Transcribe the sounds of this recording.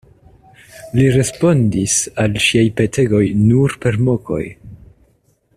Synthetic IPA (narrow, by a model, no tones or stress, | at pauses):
liɾe̞spo̞ndisalʃiajpe̞tʰe̞ɡo̞jnuɾpe̞ɾmo̞ko̞̰j